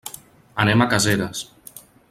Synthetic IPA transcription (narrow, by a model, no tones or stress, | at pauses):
anɛmakazeɾas